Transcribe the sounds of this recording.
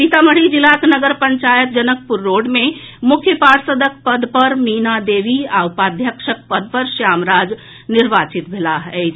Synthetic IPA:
pit̪aməɽ̤id͡ʒilːaknəɡəɾpəɲt͡ʃajət̪̚d͡ʒənək̚puɾːoɖme | mukʰjəpaɾsəd̪əkpəd̪pəɾminad̪eʋiaupad̪ʱjəkʃək̚pəd̪̚ʱpəɾsjamɾad͡ʒ | niɾbat͡ʃit̪bʱelaɦet͡ʃʰ

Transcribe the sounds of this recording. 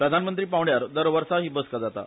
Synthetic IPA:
pɾəd̪ʱanmənt̪ɾiːpaʋɽjaɾd̪əɾʋəɾsaɦiːbəskad͡zat̪a̰

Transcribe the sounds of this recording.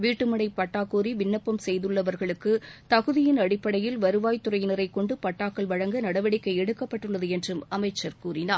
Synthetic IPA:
ʋiːʈːɯmɐɽɐɪpɐʈːaːkuːɾiʋɪnːɐpːɐmsɛjðɯɭːɐʋɐɾɣɐɭɯkːɯt̪ɐɣɯðɪjɪnɐɽɪpːɐɽɐjɪlʋɐɾɯʋaːjt̪ːʊrɐjnɐɾɐɪkːɔɳɖɯpɐʈːaːkːɐɭʋɐɻɐŋɡɐnɐɽɐʋɐɽɪkːɐɪɛɽɯkːɐpːɐʈːɯɭːɐðɯɛndrɯmɐmɐɪt͡ʃːɐɾkuːɾɪnaː

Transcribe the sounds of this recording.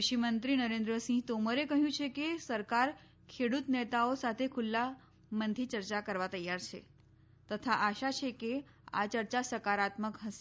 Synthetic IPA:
ʃimənt̪ɾinəɾẽnd̪ɾəsĩt̪oməɾekəɦjũt͡ʃʰekesəɾkaɾ | kʰeɽut̪net̪aosat̪ʰekʰulːa | mənd̪ʱʰit͡ʃəɾt͡ʃakəɾʋat̪əjaɾt͡ʃʰḛ | t̪ət̪ʰaʔaʃat͡ʃʰeke | a̰t͡ʃəɾt͡ʃasəkaɾat̪məkɦəs

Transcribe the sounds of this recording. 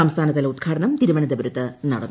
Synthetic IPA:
amst̪ʰaːnɐt̪ːɐlud̪ɡʰaːɽɐnɐmt̪iɾuʋɐɳɐd̪eʋɐɾut̪ːɨnɐ̰ɽɐ̰nː

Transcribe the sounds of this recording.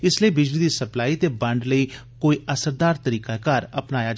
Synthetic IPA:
ɪsliiːbɪd͡ʒlid̪iːsəplaːit̪eːbɐ̃ɳɖləiː | koːiːʔəsəɾd̪aːɾt̪əɾiːkakaːɾɐpnaːja

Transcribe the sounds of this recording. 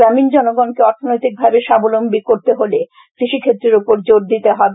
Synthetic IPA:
ɾamind͡ʑɔnoɡɔnkeɔɾt̪ʰonojt̪ik̚bʱabeʃabolombikoɾt̪eɦole | kɾiʃikʰet̪ːɾeɾupoɾd͡ʑoɾd̪it̪eɦɔbe

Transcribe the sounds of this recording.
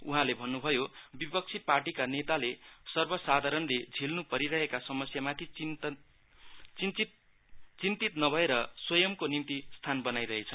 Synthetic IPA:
uɦãlebʱʌnːubʱʌjobipʌk̚t͡sʰiparʈikanet̪alesʌrbʌsad̪ʱaɾʌnled͡zʱilnupʌɾiɾʌɦekasʌmʌsjamat̪ʰi | t͡sini | t͡sint̪it̪nʌbʱʌeɾʌswʌjʌmkonimt̪ist̪ʰanbʌnajɾʌɦet͡sʰʌ

